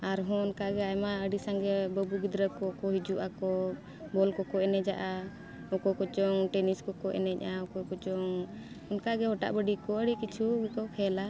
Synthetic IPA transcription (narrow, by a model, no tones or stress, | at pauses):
aɾɦɔ̃ɔnkaɡɛajmaəɖisaŋɡɛbəbuɡid̪ɾəkɔkɔɦid͡ʒuʔakɔ | bɔlkɔkɔɛnɛd͡ʒaʔa | ɔkɔkɔt͡ʃɔŋʈɛniskɔkɔʔɛ̰nɛc̚ˀʔaɔkɔkɔt͡ʃɔŋ | ɔnkaɡɛɦɔʈa̰ʔbəɖikɔəɖikit͡ʃʰuɡɛkɔkʰɛla